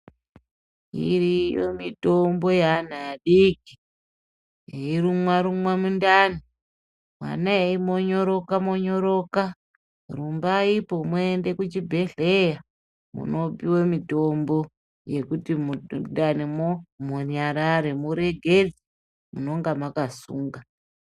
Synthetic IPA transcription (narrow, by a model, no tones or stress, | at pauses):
ḭrijo̰mito̞mbo̞jan̤aaɗiki̥ | eiɾumwaɾumwamundani | mwa̰naeimo̞ɲo̞ɾokamoɲoɾo̞ka | rumbaipo̞mwende̞kut͡ʃibʱe̞ɮe̞ja | mṵno̞piwomito̞mbo̞ | je̞kutimundanimomuɲaɾaɾemuɾe̞ɡʱe̞d͡zi | muno̞ŋɡamakasuːŋɡa